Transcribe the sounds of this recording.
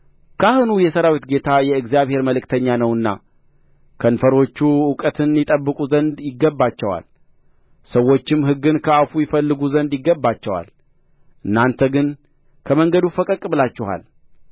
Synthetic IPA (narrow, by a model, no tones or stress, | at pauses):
kʰahɨnujɛsəɾawit̪ɡe̞t̪ʰajɛɨɡzjaβhe̞ɾməlɨkt̪ʰəɲːanəwɨnːa̰ | kʰənfəɾo̞t͡ʃːuʊkʼət̪ʰɨnjɪt̪ʼəbːɨkʼuzənd̪jɪɡːəbːat͡ʃːɛwa̰l | səwːo̞t͡ʃːɪmːɦɨɡːɨnkʰəafujɪfəlːɨɡuzənd̪jɪɡːəbːat͡ʃːɛwa̰l | ʔɨnːant̪ʰəɡɨn | kʰəməŋɡəd̪ufəkʼəkʼbɨlat͡ʃːɪha̰l